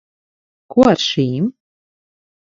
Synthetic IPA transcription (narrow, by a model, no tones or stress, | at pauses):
kuɔaɾʃiːm